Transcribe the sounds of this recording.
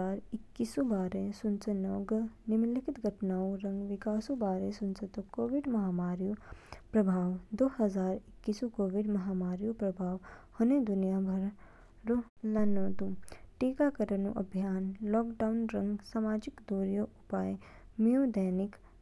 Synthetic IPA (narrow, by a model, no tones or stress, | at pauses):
aːɾɪkːisubaːɾesʊnt͡sənɔːɡnɪmlɪkʰɪt̪ɡʱɐʈnaːõɾɐ̃ŋɡʋɪkaːsubaːɾesʊnt͡sət̪okoːʋɪɖmɐɦaːmaːɾijupɾɐbʱaːʋd̪oːɦɐzaːɾɪkːisukoːʋɪɖmɐɦaːmaːɾijupɾɐbʱaːʋhɐnẽd̪ʊnijabʱɐɾ | ɾo | lɐnõːt̪uʈiːkakəɾənṵ̃ʔɐ̰bʱijaːnlɔːkɖaːunɾɐ̃ŋɡsaːmaːd͡ʒɪkd̪oːɾjoʔʊpaːj | mijõːd̪əːnɪk